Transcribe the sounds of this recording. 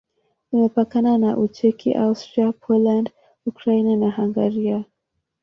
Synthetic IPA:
imɛpakananaʔut͡ʃɛkḭʔaustɾiapʰɔland | ukɾainanahaŋɡaɾia

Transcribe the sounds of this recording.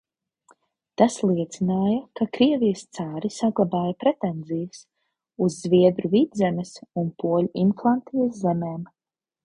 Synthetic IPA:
t̪aslˠiɛt̪sinaːjɐkakɾiɛvijst̪saːɾisaɡlˠabaːjapɾɛt̪ɛnzijɐs | uzːviɛd̪ɾuviːd̪zɛmɛsunpuɔlʲuʔimklˠant̪ijɐszɛmeːm

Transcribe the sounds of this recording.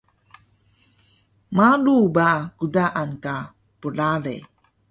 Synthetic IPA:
malubakudaʔanka | pəlalḛ

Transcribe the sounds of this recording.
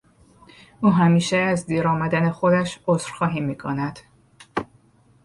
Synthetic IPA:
uːɦæmiːʃeæzd̪iːɾɒːmæd̪ænexo̞d̪æʃozɾxɒːɦiːmːiːkʰo̰næd̪̥

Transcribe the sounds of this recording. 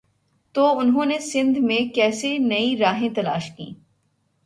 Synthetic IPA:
t̪oʊnɦõːnesɪ̃nd̪ʱmẽkɛːsenɐiɾaːɦẽt̪ɐla̰ːʃkḭː

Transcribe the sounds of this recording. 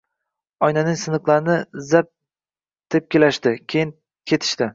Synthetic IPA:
ɒjnanɪŋsɨnɨqlˠaɾɪnɪzap̚ | t̪ʰep̚kʲelaʃt̪ɪkʲʰejɪn | kʲʰe̞t̪ʰɪ̥ʃt̪ɪ

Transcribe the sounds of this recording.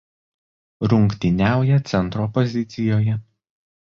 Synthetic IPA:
ɾʊŋʲkt̪ʲɪnʲæˑʊjɛt̪sʲɛnˑt̪ɾoːpɔzʲɪt̪sʲɪjoːjɛ

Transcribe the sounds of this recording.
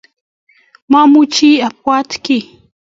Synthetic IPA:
mamʊt͡ʃiapwat̪kɪ

